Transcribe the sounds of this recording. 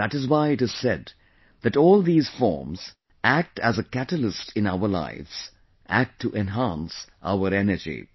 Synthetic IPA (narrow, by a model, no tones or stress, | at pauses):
ðætɨzwaɪɨtɨz̥sɛ̰d̪ | ðɨʈɔːlˠd̪iːz̥fɔ̰ːɹmz̥ | ʔæk̚tæzəkætəlɪstʰɨ̃naʊə˞la̰ɪvz̥ | ʔæ̰k̚tʰːuʔɛ̃nɦæ̃nsʔa̰ʊəɾɛnəd͡ʒḭ